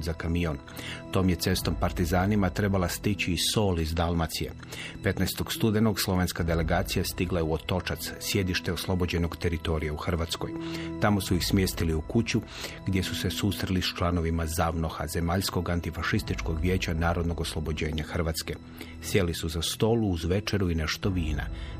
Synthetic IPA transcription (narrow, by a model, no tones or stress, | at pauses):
zakamion | t̪o̞ːmje̞t̪se̞st̪o̞mpaɾt̪izaːnimat̪ɾe̞balast̪it͡ɕiːso̞ːlizd̪alˠmat̪sije̞̰ | pe̞t̪naest̪o̞ɡ̥st̪ud̪enoɡslˠo̞ʋe̞nskad̪ele̞ɡaːt̪sijast̪iɡlˠajeuo̞t̪o̞t͡ʃat̪ssje̞d̪iʃt̪e̞o̞slˠo̞bo̞d͡ʑe̞no̞ɡt̪e̞ɾit̪o̞ɾijauxrʋat̪sko̞jt̪amo̞suixsmjeːst̪iliukut͡ɕu | ɡd̪je̞suse̞sust̪ɾelist͡ʃlˠano̞ʋimazaʋno̞xa̰ze̞maʎsko̞ɡant̪ifaʃist̪it͡ʃko̞ɡʋje̞ːt͡ɕanaːɾo̞d̪no̞ɡo̞slˠo̞bo̞d͡ʑe̞ːɲaxr̩ʋaːt̪ske̞ | sje̞lisuzast̪o̞luːzʋe̞t͡ʃe̞ɾuineʃt̪o̞ʋiːna̰